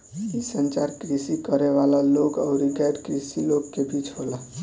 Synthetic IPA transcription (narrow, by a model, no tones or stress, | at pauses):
isənt͡ʃaɾkɾisikəɾeʋalaloɡaʊɾiɡajɾkɾisiloɡkebʱit͡ʃɦola